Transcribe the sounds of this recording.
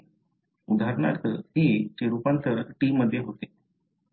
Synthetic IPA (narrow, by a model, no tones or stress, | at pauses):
ud̪ʱaɾɳa̰ɾt̪əɦiːt͡ɕeɾupant̪əɾəʈiːmːəd̪ʱːjeɦot̪e̥